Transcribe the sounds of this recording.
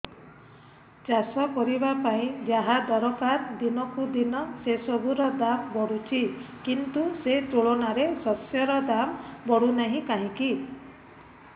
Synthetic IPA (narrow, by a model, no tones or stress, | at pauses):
d͡ʒasɔkɔɾibapaĩd͡ʒaɦad̪ɔɾɔkaɾd̪inɔkud̪inɔsesɔbuɾɔd̪ambɔɽut͡ʃʰi | kint̪uset̪uɭonaɾesɔsjɔɾɔd̪ambɔɽunaɦĩkaɦĩki